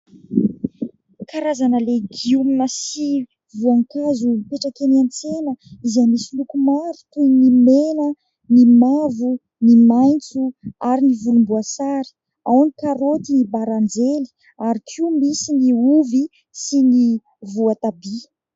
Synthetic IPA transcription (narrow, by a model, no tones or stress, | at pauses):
kaɾazanəleɡiuminəsi | vuaŋkazupeʈ͡ʂakeniant͡senəizamisilukumaɾu̥t̪ujnimenə | nimavu | nimajnt͡suaɾinivulumbuasaɾi̥ | awanikaɾot̪inibaɾand͡zeli̥ | aɾikʰiumisiniuvi | sini | vuat̪abi